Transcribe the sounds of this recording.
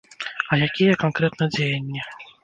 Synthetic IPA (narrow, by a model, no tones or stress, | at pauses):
ɐjakʲijɛkankɾɛt̪nɐd͡zʲejɐnʲːɛ